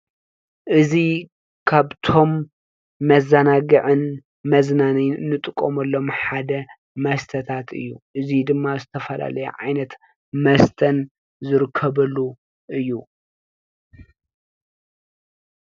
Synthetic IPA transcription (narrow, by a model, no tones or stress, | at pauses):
ʔɨzi | kʰaβt̪ʰo̞mː | ɐzːɐnaɡɨʕɨn | mɐznaniɨnːɨt̪ʼɨkʼːomɐlːo̞mħad̪ɐ | mɐst̪ʰɐt̪ʰat̪ʰɨ̰jːuʔɨzid̪ɨmːazɨt̪ʰɐfɐla̰lɐjɛ̰ʕa̰jnɐt̪ | mɐst̪ʰɐn | zɨɾɨkʰːɐbɐlːu | ʔɨjːu